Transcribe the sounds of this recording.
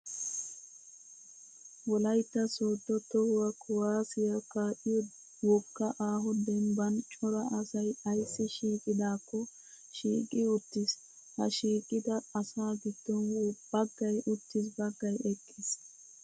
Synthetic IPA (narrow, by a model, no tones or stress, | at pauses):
wɔlɐjt̪ːɐsoːt̪ːɔt̪ɔhʊwɐkʰɔwaːsɪjɐkaːʔɪjɔ | wɔkːɐʔaːɦɔd̪ɛmbɐnt͡ʃʼɔɾɐʔɐsɐjɐjsːɪʃiːkʼɪd̪aːkːɔ | ʃiːkʼɪʊt̪ːɪs | hɐ̰ʃiːkʼɪd̪ɐɐsaːɡɪd̪̥ːɔnb̥ɐɡːɐjʔʊt̪ːɪs̬bɐɡːɐjɛkʼːɪs